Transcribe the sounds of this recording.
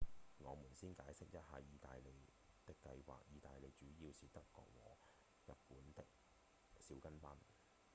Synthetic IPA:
ŋɔː˨˧muː˨˩nsiː˥nkaː˨˥jsɪ˥k̚jɐ˥t̚haː˨jiː˨˧t̪a̰ː˨jle˨j | t̪ɪ˥kːɐ˧jwa̰ː˨k̚jiː˨˧t̪aː˨jle˨jt͡ʃyː˨˥jiː˧wsiː˨t̪ɐ˥kːɔ̰ː˧k̚wɔ̰ː˨˩ | jɐ˨t̚puː˨˥nt̪ɪ˥k̚ | siː˨˥wkɐ˥npɐː˥n

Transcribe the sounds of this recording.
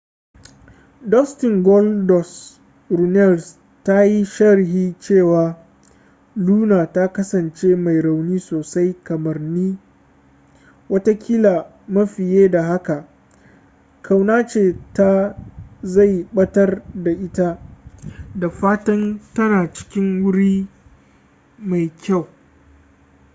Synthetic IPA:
dɔ˦stɪ˨ŋɡɔ˦ldɔ˨s | ɾu˨nɛ˦˨ls | ta˦ji˦ʃɐ˦ɾɪ˨ɦiː˦t͡ʃeː˦˨waː˨ | luː˦naː˨ta˦kɐ˦sɐ˨nt͡ʃeː˦ma˨jɾa˨wniː˦soː˨sa˦jkɐ˨mɐ˨rniː˦ | wɐ˦ta˦kʲʰiː˦la˨ | mɐ˦ɸɪ˨jeː˦da˨ɦa˦ka˨ | kʰa˨wnaː˦t͡ʃeː˨ta˦ | za˦˨jɓɐ˦tɐ˦rda˨ʔɪ˦ta˦ | da˨ɸaː˦tɐ˦ntɐ˦naː˨t͡ʃɪ̥˦kʲɪ˦ŋwʊ˦ɽiː˦ | ma˨jkʲa˦˨w

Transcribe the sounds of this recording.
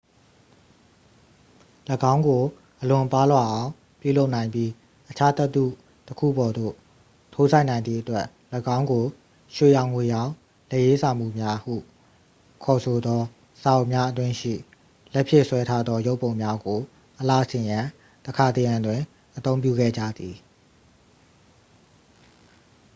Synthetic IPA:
ləɡã˦ʊ̃ŋɡo˨ | ʔəlʊ̃˨pa˦lwa˨ʔã˨˦ʊ̃ | pjṵ˦˨lo˦ʊʔnã˨ɪ̃mpji˦ | ʔət͡ɕʰa˦t̪ɛ˦t̪ːṵ˦˨ | təkʰṵ˦˨bɔ˨d̪o̰˦˨ | tʰo˦za˦ɪʔnã˨ɪ̃nd̪ðḭ˦˨ʔətwɛ˦ʔ | ləɡã˦ʊ̃ŋɡo˨ | ʃwe˦˨jã˨ʊ̃ŋwe˨jã˨ | lɛ˦ʔje˦sã˨m̥ṵ˦˨mja˦hṵ˦˨ | kʰɔ˨sʰo˨d̪ɔ˦ | z̥ã˨ʊ̃mja˦ʔət̬wɪ̃˦ʃḭ˦˨ | lɛ˦ʔpʰjɪ˦ʔswɛ˦tʰa˦d̪ðɔ˦jo˦ʊpːõ˨ʊ̃mja˦ɡo˨ | ʔəla̰˦˨əsɪ̃˨jã˨ | təkʰa˨t̪ə˨jã˨ndwɪ̃˨ | ʔət̪õ˦ʊ̃mp̬jṵ˦˨ɡɛ̰˦˨d͡ʑä̰˦˨d̪ði˨

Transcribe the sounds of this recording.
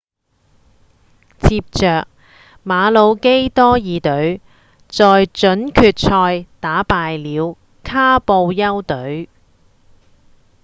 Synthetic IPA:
t͡sʰiː˧p̚t͡ʃœː˨k̚ | maː˨˧lo˨˧wke˥jt̪ɔː˥jiː˨˧t̪ɵ˨˥ɥ | t͡sɔː˨jt͡ʃɵ˨˥nkʰyː˨˧t̚t͡ʃʰɔː˧jt̪aː˨˥paː˧jliː˨˧w | kʰaː˥po˧wjɐ˥wt̪ɵ˨˥ɥ

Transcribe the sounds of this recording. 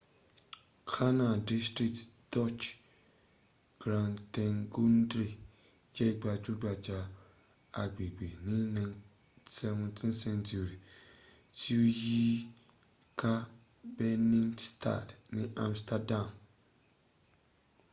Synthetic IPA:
kʰa˦na˨di˦stɾi˨tdɔ˦˨t͡ʃ | ɡ̥ɾa˨ntɛ˦ŋɡu˦ndɾi˨ | d͡ʒɛ˦ɡ͡ba˨tu˦ɡ͡ba˨d͡ʒa˦ | a˨ɡ͡be˨ɡ͡be˨nɪ˦nɨ̃˨ŋ | sɛ˦m˦tʰɪ˦nsɛ˦ntu˨ɾi˨ | ti˦u˦jiː˦ | kʰa˦ | bɛ˦ni˦nstʰa̰˦˨dnɨ˦ʔa˨mstʰa˦da˦˨m

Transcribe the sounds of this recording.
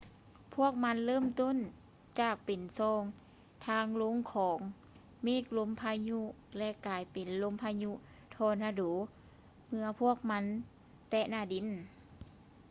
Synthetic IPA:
pʰu˥˩ək̚ma˧˥nlɤː˥˨mt̪o˧˥˨n | t͡ɕaː˨˩k̚pe˨nsɔː˧ŋ | t̪ʰaː˧˥˨ŋlo˧˥˨ŋkʰɔː˨˦ŋ | miː˧˩˨klo˧˥˨mpʰaː˧ɲu˧˥lɛ˧ʔkaː˨˩jpe˨˩nlo˧˥˨mpʰaː˧ɲu˧˥ | t̪ʰɔː˧naː˧duː˨˦ | mɯ˧ɐpʰu˧˥˩ək̚ma˧˥˨n | t̪ɛ˧naː˧˩di˨˩˨n

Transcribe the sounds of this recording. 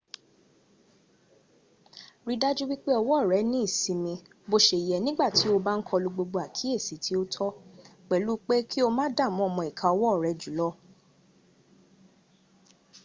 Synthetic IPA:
ɾi˧da˦d͡ʒu˦wi˦k͡pe˦ɔ˧wɔ˦˨ɾɛ˨˦nĩ˦i˦˨sĩ˨˧mĩ˧ | bo˧ʃe˨i˨jɛ˨nĩ˦ɡ͡ba˦˨ti˨˦o˧ba˦n̩˦kʰɔ˧lu˧ɡ͡bo˧ɡ͡bo˧˦a˨kʰi˨˦e˦˨si˨˦tʰi˨˦o˦tʰɔ˦k͡pɛ˨lu˨˦k͡pe˦kʰi˦o˧mãː˦da˦˨mɔ̃˨˦ɔ˦˨mɔ̃˧˨i˨kʰã˨ɔ˧wɔ˦˨ɾɛ˨˦d͡ʒu˨˦lɔ˦

